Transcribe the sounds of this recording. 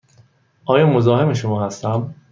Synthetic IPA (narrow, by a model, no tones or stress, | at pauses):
ʔɒːjɒːmo̞zɒːhemeʃomɒːhæst̪æm